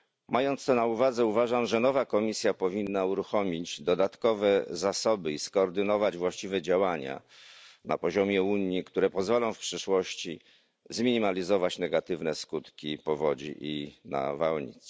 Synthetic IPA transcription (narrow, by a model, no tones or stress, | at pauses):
mʔajɔnt̪st̪ɔnauvad̪zɛuvaʐamʐɛnɔvakɔmʲisʲjapɔvʲinːauɾuxɔmʲid͡ʑd̪ɔd̪at̪kɔvɛzasɔbɘiskɔːɾd̪ɘnɔvad͡ʑvwaɕt͡ɕivɛd͡ʑawaɲa̰ | na̰pɔʑɔmʲjɛuɲːikt̪uɾɛpɔzvɔlɔ̃w̃fpʂɘʂwɔɕt͡ɕi | zmʲiɲimalʲizɔvat͡ɕnɛɡat̪ɘvnɛskut̪kʲipɔvɔd͡ʑḭʔina̰vawɲḭt̪s